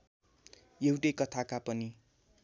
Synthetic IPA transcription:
jewʈʌjkʌt̪ʰakapʌni

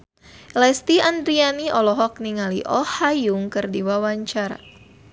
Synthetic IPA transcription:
lɛst̪iand̪ɾianiʔɔlɔɦɔk̚niŋaliʔɔhajuŋkɨrdiwawaɲt͡ʃaɾa̰

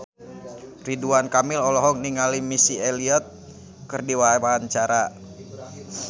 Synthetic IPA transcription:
riduankamɪlɔlɔɦɔk̚niŋalimisieliɔt̪̚ | kɨrdiwaɦawaɦant͡ʃaɾa

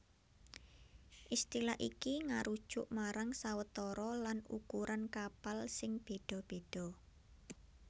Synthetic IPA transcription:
ʔist̪ilaʔikiŋaɾud̥ʒ̥ʊʔmaɾaŋsawət̪ɔɾɔlanukuɾʔankapalsɪŋb̥e̤ɖ̥ɔ̤b̥e̤d̥ɔ̤

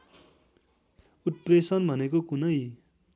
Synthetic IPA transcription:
ut̪̚presʌnbʱʌnekokunʌj

